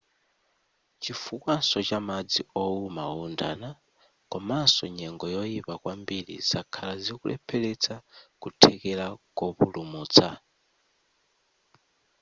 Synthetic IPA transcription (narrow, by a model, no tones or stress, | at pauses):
t͡ʃifukwansɔt͡ʃamad͡ziɔumaunda̰na | kɔmasɔɲɛŋɡɔjɔjipakwambiɾḭz̥akʰalazikulʔɛ̰pʰɛlɛt͡sʰakutʰɛkɛlakɔpulumuːt͡sʰa